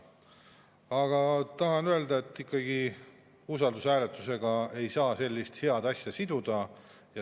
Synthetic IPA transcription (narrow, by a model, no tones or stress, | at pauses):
ɑɡ̥ɑt̪ɑɦɑnøe̞ld̪ɑe̞t̪ːˑikːɑɡ̥i | usɑld̪usæːlet̪ːˑuse̞ɡ̥ɑe̞jsɑːse̞lʲːist̪he̞ɑd̪̥ɑsʲjɑsid̪̥ud̪̥ɑ | jɑ